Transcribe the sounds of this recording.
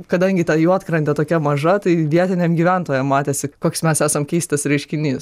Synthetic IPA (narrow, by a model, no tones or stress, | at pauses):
kɐd̪ɐŋʲɡʲɪt̪ɐjuɐt̪kɾɐnʲt̪ʲɛt̪oːkʲɛmɐʒɐt̪ɐɪʋʲiɛt̪ʲɪnʲemɡʲiʋʲænt̪oːjɛmmɑːt̪ʲeːsʲɪkoːksmʲɛsæːsɐmkʲɛɪst̪ɐsɾʲɛɪʃʲkʲɪnʲis